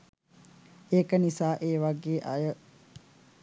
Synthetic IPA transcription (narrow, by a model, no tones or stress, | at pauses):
eːkənisaːʔeːʋaɡeːʔajə